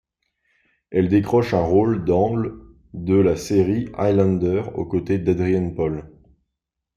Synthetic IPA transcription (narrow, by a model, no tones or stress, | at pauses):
ɛld̪ekχɔʃɛ̃ʁold̪ɑ̃ɡl | d̪əlaseʁia̰jlɑ̃nd̪œʁo̰kot̪ed̪ad̪ʁijanpɔl